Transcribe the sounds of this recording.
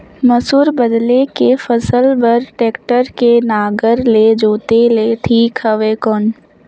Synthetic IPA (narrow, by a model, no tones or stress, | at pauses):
məsuːɾbəd̪lekefəsəlbəɾʈeːkʈəɾkenaːɡəɾled͡ʒoːt̪eleʈʰiːkhəʋeːkɔːn